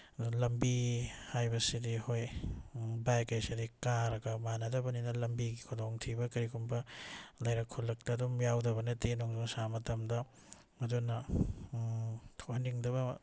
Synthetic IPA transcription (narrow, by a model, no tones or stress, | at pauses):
dulɐmbihajbɐsidihoj | bajkɐjsidikaɾɐɡɐmanɐdɐbɐninɐlɐmbiɡikʰudoŋtʰibɐkɐɾikumbɐlɐjɾɐkʰːulːɐk̚tɐːdumjawdɐbɐnɐtenuŋdosamɐtɐmdɐ | mɐdunɐ | tʰohɐniŋdɐβɐ